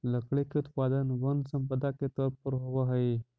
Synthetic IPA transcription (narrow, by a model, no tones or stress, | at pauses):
ləkɭekeut̪pad̪ənʋənsəmpəd̪aket̪əpəɾɦoʋəɦəe